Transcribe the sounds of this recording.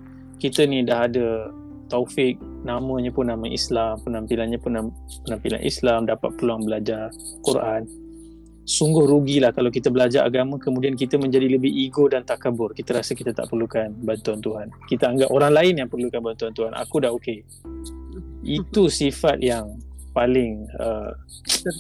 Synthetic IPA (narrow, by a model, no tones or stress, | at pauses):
kit̪ənidaɦadə | t̪ofɪk̚namə̃ɲapʊnːaməʔḭslampənãmpilanɲapʊnːam | pənampila̰nʔḭslamdapa̰t̪̚pəluaŋbəlad͡ʒar | kurʔan | suŋɡʊhɾuɡilahkalawk̬it̪əbəlad͡ʒaɾʔa̰ɡamə̃kəmudiank̬it̪əmə̃ɲd͡ʒadiləbɪiɡodant̪akabʊrkit̪əɾasəkit̪at̪a̰ʔpərlukanbant̪uant̪uɦankit̪əaŋɡapoɾaŋlaɪnjaŋpərlukanbant̪uant̪uɦanʔa̰kudahoke | it̪usifat̪̚jaŋpalɪŋə | k